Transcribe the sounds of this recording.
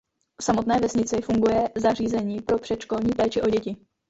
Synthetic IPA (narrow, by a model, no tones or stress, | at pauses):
fsamo̞t̪nɛːvɛsɲɪt͡sɪfuŋɡujɛzar̝iːzɛɲiːpɾo̞pr̝̥ɛt̪ʃko̞lɲiːpɛːt͡ʃɪʔo̞ɟɛcɪ